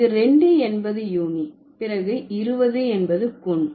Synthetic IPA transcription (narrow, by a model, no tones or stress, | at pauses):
ɯɾɛɳɖɯɛnbɐðɯjuːni | pɪɾɐɣɯɪɾɯʋɐðɯɛnbɐðɯkʊɳ